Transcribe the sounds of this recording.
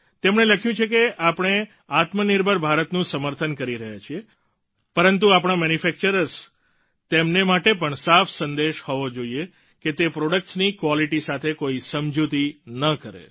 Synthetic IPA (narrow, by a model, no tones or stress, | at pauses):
t̪emɳeləkʰjũt͡ʃʰekeʔapɽ̃e | at̪məniɾbʱəɾbʱaɾət̪nũsəməɾt̪ʰənkəɾiɾəɦjat͡ʃʰie | pəɾənt̪̬uapɽ̃amɛnifɛk̚t͡ʃəɾəɾs | t̪emnemaʈepəɳsafʰsənd̪eʃhoʋod͡ʒoie | ket̪epɾoɽək̚ʈsnikʋɔliʈisat̪ʰekoisəmd͡ʒut̪inəkəɾḛ